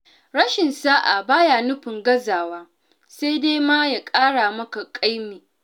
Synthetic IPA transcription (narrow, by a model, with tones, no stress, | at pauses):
ɽɐ˦ʃɪ˨nsaː˦ʔa˨baː˦ja˨nʊ˦ɸɪ˨ŋɡɐ˦zaː˨waː˦ | sa˦jdeː˦ma˦ja˨kʼaː˦ɽa˨mɐ˦ka˨kʼa˦jmeː˨